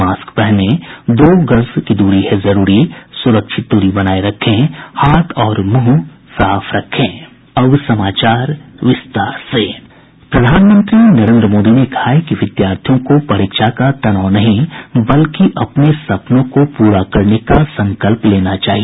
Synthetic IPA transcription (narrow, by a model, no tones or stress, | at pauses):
maːskpɛɦned̪oːɡɐɾzkid̪uːɾiɦɛzɐɾuːɾisʊɾəkʃɪt̪̚d̪uːɾibɐnaːeɾɐkʰːẽhaːt̪ʰɔːɾmũɦ | saːfʰɾɐkʰːẽː | ɐʋsɐmaːt͡ʃaːɾʋɪst̪aːɾseː | pɾɐd̪ʱaːnmə̃nt̪ɾinɐɾẽːnd̪ɾəmoːd̪inekɐ̥haɦɛkiʋɪd̪jaːɾt̪ʰijõkopɐɾɪkʃakat̪ɐnaːnɐɦĩbɐlkiʔɐpnesɐpnõkopuːɾakɐɾnekasɐ̃ŋkəlpleːnat͡ʃaːɦie